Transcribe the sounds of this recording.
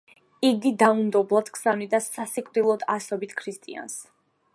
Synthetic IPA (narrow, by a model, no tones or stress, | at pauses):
iɡid̪aund̪ɔblˠad̪̥kʰsavnid̪asasikʼvd̪ilˠɔd̪asɔbit̪ʰkʰɾist̪ʼia̰ns